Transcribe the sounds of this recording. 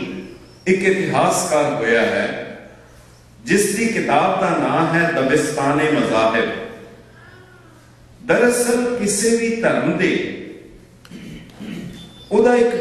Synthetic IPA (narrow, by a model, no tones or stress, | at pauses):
ɪkɪt̪ɪɦaːskaːɾɦoːjaːɦɛː | d͡ʒɪsd̪iːkɪt̪aːb̚d̪aːnãːmɦɛːd̪əbɪst̪aːneːməzaːɦɪb | d̪əɾəsəɾkɪseːʋiːt̪əɾənd̪eː | oːd̪aːɪk